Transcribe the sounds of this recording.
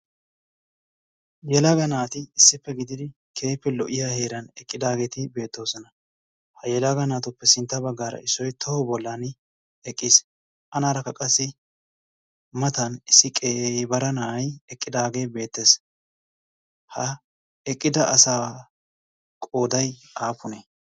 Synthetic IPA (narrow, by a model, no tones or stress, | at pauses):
jɛlɐɡɐnaːt̪ɪɪsːɪpːɛɡɪd̪ɪd̪ɪ | kʰe̞ːpːɛlɔʔɪjahe̞ːɾɐnɛkʼːɪd̪aːɡe̞ːt̪ɪbe̞ːt̪ːo̞ːsɔnɐ | hɐjɛlaɡɐnaːt̪ʊpːɛsɪnt̪ːɐbɐɡːaːɾɐ̰ɪsːɔjt̪ʰɔhɔbɔlːan | ɛkʼːɪs | ʔɐnaːɾɐkːɐkʼɐsːɪ | mɐt̪ɐnɪsːɪkʼebɐɾɐnaːɐjɛkʼːɪd̪aːɡe̞ːbe̞ːt̪ːeːs | hɐ | ɛkʼːɪd̪ɐʔɐsaː | kʼo̞ːd̪ɐj | aːfʊneː